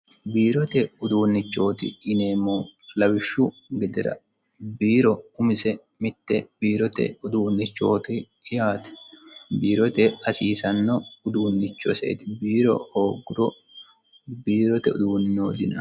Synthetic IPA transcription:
biːɾɔt̪ɛʊd̪uːnːɪt͡ʃːo̞ːt̪ɪ̰ɪneːmoːlɐwɪʃːʊ | ɡɛd̪ɛɾɐ̰ | biːɾɔʊmɪsɛ | mɪt̪ːɛbiːɾɔt̪ɛ̰ʊd̪uːnːɪt͡ʃːo̞̰ːt̪ɪː | jaːt̪ɛ̥biːɾɔt̪ɛɐsiːsɐnːɔʊd̪uːnːɪt͡ʃːɔ̰sḛːt̪ɪbiːɾɔ̰oːɡʊɾɔ | biːɾɔt̪ɛʊd̪uːnːoːd̪ɪnɐ

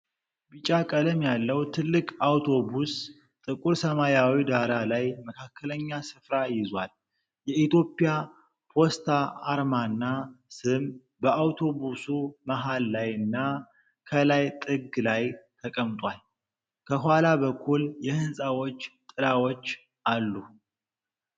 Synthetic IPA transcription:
bɨt͡ʃʼakʼələmjalːəwt̪ʰɨlːɨkʼawt̪ʰo̞bus | t̪ʼɨkʼuɾsəmajawid̪aɾalajməkʰakʰːələɲːasɨfɾajɪzwal | jɛit̪jo̞pʼːija | pʰo̞st̪ʰaːɾmanːasɨm | bəawt̪ʰo̞busumaɦalːajɨnːa | kʰəlajt̪ʼɨɡlajt̪ʰəkʼəmt̪ʼwal | kʰəɦwalabəkʰːuljɛhɨnsʼawot͡ʃːt̪ʼɨlawot͡ʃː | ʔalːu

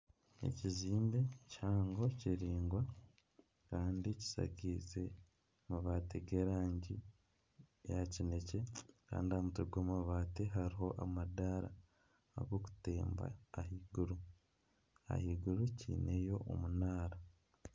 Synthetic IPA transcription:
e̞̰ciziːmbe̞chaːŋɡo̞ciɾiːŋɡwa | kaːndici̥sa̰ɡiːze̞ | maβateɡe̞ɾaːɲɟi | jacine̞ce̞ka̰ːndiamutuɡoːmaβaːteɦaɾiɦo̞ʔamadaɾa̰ː | ɡoku̥te̞ːmba̰ːhiɡuɾu | a̰hiɡuɾucḭːne̞jo̞ʔo̰munaːɾa

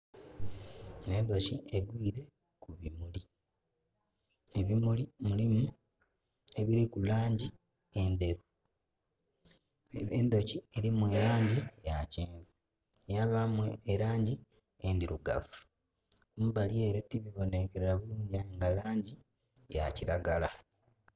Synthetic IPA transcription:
ne̞ndo̞cieɡwiːɾe̞ | kuβimuli | eβimulimulimu | e̞βiɾikulaːɲɟi | ende̞ɾu | endo̞cie̞ɾimue̞ɾaːɲɟijaceːŋɡo | jaβamweːɾaːɲɟi | endiɾuɡa̰fu̥ | kumubalie̞ːɾetiβiβo̞ne̞keɾaβuluːɲɟiaeŋɡalaːɲɟi | ja̰ciɾaɡala

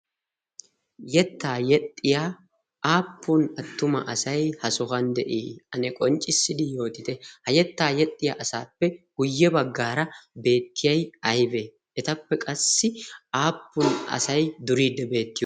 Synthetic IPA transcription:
jɛt̪ːaːjɛt̪ʼːɪjaː | aːpːʊnɐt̪ːʊmɐ̰ʔɐsɐjhɐsʊhɐnd̪ɛʔḭːɐnɛkʼɔnt͡ʃʼɪsːɪd̪ɪjo̞ːt̪ɪt̪ɛhɐjɛt̪ːaːjɛt̪ʼːɪja̰ːʔɐsaːpːɛɡ̥ʊjːɛbɐɡːaːɾɐbe̞ːt̪ːɪjɐjɐjbe | ʔɛt̪ɐpːɛkʼɐsːɪaːpːʊnɐ̰sɐjd̪ʊɾiːd̪ːɛbe̞ːt̪ːɪjɔ

